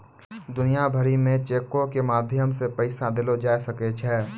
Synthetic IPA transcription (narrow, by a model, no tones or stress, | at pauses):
d̪ʊnijabʱəɾimẽt͡ʃeːkõkemaːd̪ʱjəmsepɐɪsad̪ɪlod͡ʒaːesɐket͡ʃʰɛː